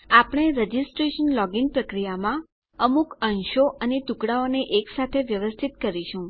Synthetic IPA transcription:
apɽ̃eɾəd͡ʒisʈɾeʃənlɔɡinpɾəkɾijamã | əmukənʃoʔənet̪ukɽaoneʔeksat̪ʰeʋjəʋəst̪ʰit̪kəɾiʃũ

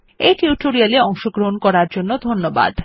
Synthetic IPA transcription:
eʈiuʈoɾialeɔŋʃoɡɾoɦonkɔɾaɾd͡ʑonːod̪ʱonːoba̰d̪

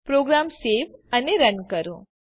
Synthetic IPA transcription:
pɾoɡɾamseʋəneɾənkəɾũ

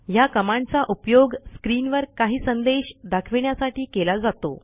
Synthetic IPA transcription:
jakəmãɳt͡saʔupjoɡskɾinʋəɾkaɦiːsənd̪eɕd̪akʰʋiɳjasaʈiːkelad͡zat̪o̰

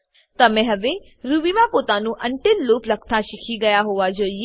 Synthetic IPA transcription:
t̪amɛ̃ɦəʋeː | ɾuːʋiʋãːpot̪ãːnũːʔəɳʈɪlːuːpləkʰt̪ʰaːʃɪkʰiɡɐjaːɦoʋaːd͡ʒoːi

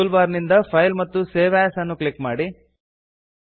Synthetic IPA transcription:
ulbaːɾnind̪ɐpʰɐjlmɐt̪ːuseːʋæːsɐnːukɭikmaːɽi

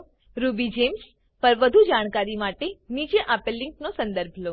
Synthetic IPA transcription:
ɾubid͡ʒems | pəɾʋəd̪ʱud͡ʒaɽ̃kaɾimaʈenid͡ʒeʔapelːɪŋknosənd̪əɾbʱlo

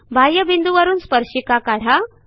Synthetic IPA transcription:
bʱajːəbind̪uʋəɾuːnspəɾɕikakaɽ̤a

